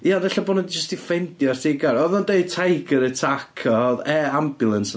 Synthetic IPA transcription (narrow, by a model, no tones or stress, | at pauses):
jaðɛɬaboːnɔdid͡ʒəstifɛndjɔrtʰɪɡaɾɔðɔndeɨd̚tʰajɡəɾətʰakʰɔðɛambjʊlˠəns